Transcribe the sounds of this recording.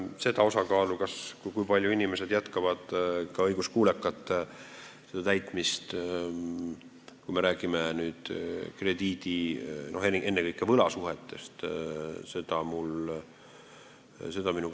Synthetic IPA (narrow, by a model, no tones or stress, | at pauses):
se̞d̪̥ɑo̞sɑkɑːlukɑskujkujpɑlʲjuinime̞se̞d̪̥jæt̪kɑvɑd̪̥kɑɤjɡ̥uskuːlekːˑɑt̪ːˑ | se̞d̪ɑt̪æjt̪ˑmist̪ | kujmeɾæːɡ̥imenyːd̪̥kre̞d̪iːd̪ino̞ɦeniʔe̞nːekɤjkːˑevɤlɑsuɦet̪ːˑe̞st̪se̞d̪̥ɑmul | se̞d̪̥ɑminu